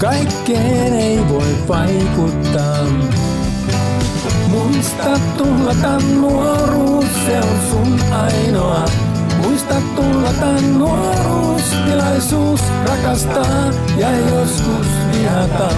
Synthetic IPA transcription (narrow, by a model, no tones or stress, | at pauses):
kɑjkːeːneiʋoippɑikut̪ːɑː | muist̪ɑt̪tulːɑt̪ɑnːuoɾusseonsunɑinoɑ | muist̪ɑt̪ːulːɑt̪ɑnːuo | ruːst̪ilɑisuːs | rɑkɑst̪ɑː | jɑjoskusʋiɦɑt̪ɑ